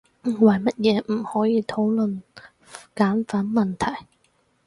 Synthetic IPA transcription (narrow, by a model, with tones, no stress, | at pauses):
wɐ˨˩jmɐ˦˥t̚jɛː˨˧m̩˨˩hɔː˨˥jiː˧t̪ʰo˨˥wlɵ˨n | kaː˨˥nfaː˨˥nmɐ˨nt̪ʰɐ˨˩j